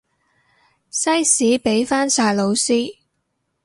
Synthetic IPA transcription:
sɐ˥jsiː˨˥pe˨˥jfaː˥nsaː˧jlo˨˧wsiː˥

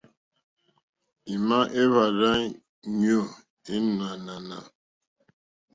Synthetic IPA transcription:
i˨ma˦ʔe˦βa˨ɾa˦ | ɲ˦o˦˨ | e˦na˨na˨na˨

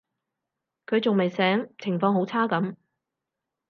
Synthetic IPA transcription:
kʰɵ˨˧ɥt͡sʊ˨ŋme˨jsɛː˨˥ŋt͡sʰɪ˨˩ŋfɔː˧ŋho˨˥wt͡sʰaː˥kɐ˨˥m

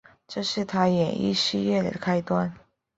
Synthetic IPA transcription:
ʈ͡ʂɤ˥˧ʂɻ̩˥˩t̪ʰa˥jɛ˨˩nḭ˥˧ɕi˥˧ɥɛ˥˩d̪ə̰˩kʰa˥ɪt̪wa˥n

